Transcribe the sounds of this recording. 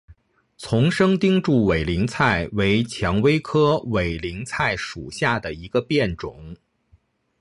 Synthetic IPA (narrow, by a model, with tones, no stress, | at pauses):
t͡sʰʊ˧˥ŋʂɤ˥ŋt̪i˥ŋʈ͡ʂu˥˩we˨˩ɪli˧˥ŋt͡sʰa˥˩ɪwe˧˥ɪt͡ɕʰjɑ˧˥ŋwe˥ɪkʰɤ˥we˨˩ɪli˧˥ŋt͡sʰa˥˩ɪʂu˨˩ɕja˥˩d̪ə˩i˧˥ɡə˧pjɛ˥˩nʈ͡ʂʊ˨˩˦ŋ